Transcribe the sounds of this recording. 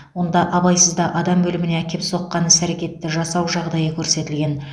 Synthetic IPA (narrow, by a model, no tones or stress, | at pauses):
wo̞nd̪ɑʔɑbɑjsəzd̪ɑʔɑd̪ɑmbɵlɪmɪne̞ækʲe̞pso̞qːɑnəsæɾekʲe̞t̪ːɪʒɑsɑwʒɑʁd̪ɑjəkʲʰɵɾse̞t̪ɪlɡʲe̞n